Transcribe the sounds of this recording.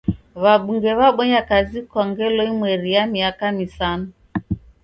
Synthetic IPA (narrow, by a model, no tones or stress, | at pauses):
βaɓuŋɡɛβaɓɔɲakazikɔŋɡɛlɔimwɛɾijamiakamisanɔ